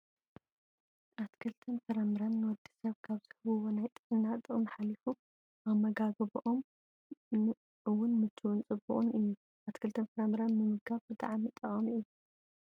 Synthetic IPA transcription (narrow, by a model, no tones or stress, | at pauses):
ʔat̪kʰɨlt̪ʰɐnfɐɾamɨɾanːɨwɔd̪ːi̥sɐβkʰaβz̥ɨhɨβɨwonajt̪ʼɨɨnːat̪ʼɨnħalifu | ʔamːɐɡaɡɐβɨʔom | ɨwʊnmɨt̪ʰːɨwʊnt͡sʼɨbṵʔʼunɨjːu | ʔat̪kʰɨlt̪ʰɐnfɐɾamɨɾanmɨmɨɡaβbɨt̪ʼa̰ʕmit̪ʼɐχʼɐmiʔɨu